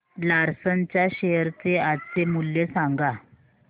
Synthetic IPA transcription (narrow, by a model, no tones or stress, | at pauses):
laɾsənt͡ɕaɕeɾt͡seat͡semulːesaŋɡa